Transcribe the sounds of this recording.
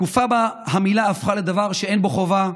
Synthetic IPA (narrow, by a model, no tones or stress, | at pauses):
kufabahamilaːfχale̞d̪avaʁʃee̞nboχova